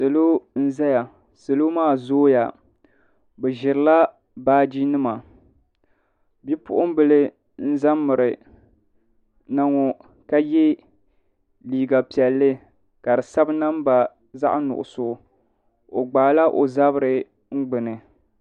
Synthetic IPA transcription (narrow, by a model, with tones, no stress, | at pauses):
sɨ˨lo˦n̩˦za˦ja˨ | sɨ˨lo˦maː˦˨zoː˦ja̰˨ | bɛ˨ʒɪ˨ɾɨ˨˦la˦ | baː˦d͡ʒi˦nɨ˦ma˨ | bi˦pʊ̰˦ʔʊ˦m˦bɨ˦lɨ˦ | n̩˦za˦mːɨ˨ɾɨ˨ | na˦ŋo˨ | ka˦jɛ˦ | liː˨ɡa˨pi˨ɛ˨lːɨ˦ | ka˨dɨ˨sa˦bɨ˦na˦m˦ba˨ | za̰˦ʔnʊ̰˨ʔʊ̰˨sʊ˨ | o˨ɡ͡baː˨la˦ʔo̰˨za˦bɨ˦ɾɨ˨ | ŋ̩˦ɡ͡bɨ˨nɨ˨